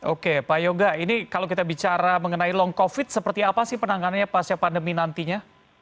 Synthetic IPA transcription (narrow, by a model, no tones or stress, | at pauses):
ʔokepajoɡainikalowkit̪abit͡ʃaɾaməŋənailɔŋkofɪt̪̚səpərt̪iapasɪhpənaŋananɲapast͡ʃapandəminant̪iɲa